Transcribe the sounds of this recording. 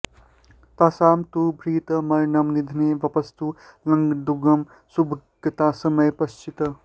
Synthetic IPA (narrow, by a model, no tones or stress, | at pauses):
t̪asaːmt̪ubʱɾiːt̪ɐmɐɾnɐmnid̪ʱineːʋɐpɐst̪ulɐŋɡd̪uɡɐm | subʱɡɐt̪aːsɐmɐjpɐst͡ʃit̪ɐ